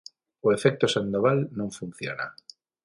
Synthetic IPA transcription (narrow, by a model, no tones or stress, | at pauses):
oefɛk̚t̪osand̪oβalnõŋfun̟θjo̰na̰